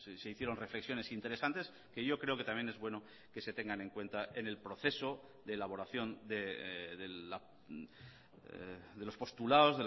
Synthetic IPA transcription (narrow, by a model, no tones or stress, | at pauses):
sseiθjeɾo̞nrefleksjo̞ne̞sint̪e̞ɾe̞sant̪e̞s | ke̞ʝo̞kɾe̞o̞ke̞t̪amje̞ne̞zβwe̞no̞ | ke̞se̞t̪e̞ŋɡane̞ŋkwe̞nt̪aʔe̞ne̞lpɾo̞θe̞so̞ | d̪e̞ːlaβo̞ɾaθjo̞nd̪e̞ðea | ðe̞lo̞spo̞st̪ulao̞zðe